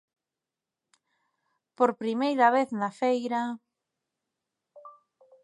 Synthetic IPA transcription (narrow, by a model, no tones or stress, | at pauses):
poɾpɾimejɾaβeθnafejɾa